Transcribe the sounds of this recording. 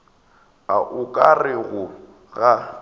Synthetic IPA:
aʔʊkʼarɪɣʊ | ɣa

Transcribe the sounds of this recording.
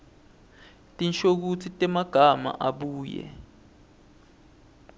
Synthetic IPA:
tʼinʃok̬ut͡sʰitʼɛmaɡ̥ʱama̰ʔaɓuːjɛ̰

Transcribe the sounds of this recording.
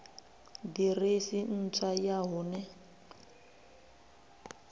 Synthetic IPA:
diresin̩t͡sʰajaɦunɛ

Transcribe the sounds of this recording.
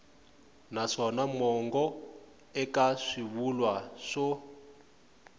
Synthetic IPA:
naʂɔnamɔŋɡɔ | ɛkaʂiβulwaʂɔ

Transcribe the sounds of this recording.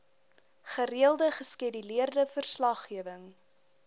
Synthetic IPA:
χəriəlˠdəχəskidiliərdəfərslɐχːiəvəŋ

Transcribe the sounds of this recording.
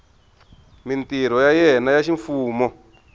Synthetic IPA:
mintiɾɔjajɛnajaʃiɱfuːmɔ

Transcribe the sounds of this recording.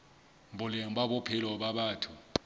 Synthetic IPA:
mbʊlɛŋ̩baɓɔpʰɪlɔɓaɓaːtʰu

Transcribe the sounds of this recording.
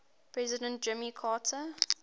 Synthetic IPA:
pʰɹɛzɪdə̃nt̚d͡ʒɪmikʰaːtʰə

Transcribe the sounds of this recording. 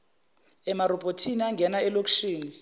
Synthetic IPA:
ɛmarɔbʼʱotʰiniaŋɡʱɛnaɛlok̬ʃiːni

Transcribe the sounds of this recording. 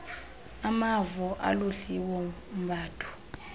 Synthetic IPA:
amavɔʔa̰loɬiwɔm̩bʱaːtʰu̥

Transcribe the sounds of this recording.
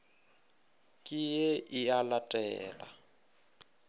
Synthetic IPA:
kʼijeʔialatʼɛːla̰

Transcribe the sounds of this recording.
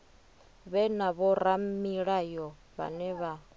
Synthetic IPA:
βɛnaβɔɾamiɺajɔ | βa̰nɛβa

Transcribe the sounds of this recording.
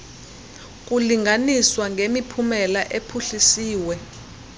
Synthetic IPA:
k̬ʼuliŋʱaniswaŋɡʱemipʰumɛlaʔepʰuɬisiːwɛ

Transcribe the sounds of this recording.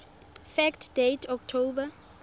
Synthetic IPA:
fɛktʰd̥etʰɔk̚tʰoba

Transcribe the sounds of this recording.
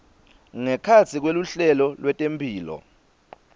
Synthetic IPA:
ŋɛkʰat͡sʰik̬weluɬɛlɔlwɛtʼempʰʼiːlɔ̰

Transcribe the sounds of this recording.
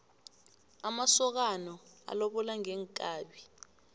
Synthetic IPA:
amasɔk̬anɔa̰loɓɔlaŋɛːŋkʼaːɓi

